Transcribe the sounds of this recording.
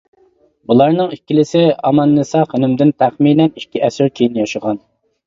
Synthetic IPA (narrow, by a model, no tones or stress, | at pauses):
bulˠɑɾnɨŋikʲːilɪsɪɑmɑnːɨsɑχenɪmd̪ɪnt̪ʰæχminɛnikʲːiʔɛsɪɾkʲʰijinjɑʃɨʁɑn